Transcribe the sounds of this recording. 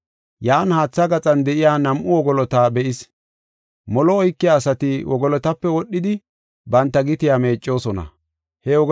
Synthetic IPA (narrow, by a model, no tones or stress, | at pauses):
jaːnhaːt͡sːɐɡɐt͡sʼɐnd̪ɛʔɪjaːnɐmʔʊwɔɡɔlɔt̪abɛʔɪs | mɔlɔɔjkːɪjaːsɐt̪ɪwʔɔɡɔlɔt̪ɐpːɛwɔɗːɪd̪ɪ | bɐnt̪ːɐɡɪt̪ɪjaːme̞ːt͡ʃʼːo̞ːsɔnɐ̰ | hɛwɔɡ